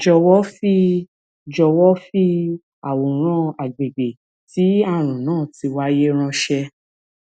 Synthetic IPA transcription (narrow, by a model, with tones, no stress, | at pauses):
d͡ʒɔ˧wɔ˦fi˦ | d͡ʒɔ˧wɔ˦fi˦ | a˨wo˨˦ɾ̃ã˦a˨ɡ͡be˨ɡ͡be˨ | ti˨˦a˦˨ɾ̃ũ˨nãː˦˨ti˧wa˦je˦ɾ̃ã˧ʃɛ˧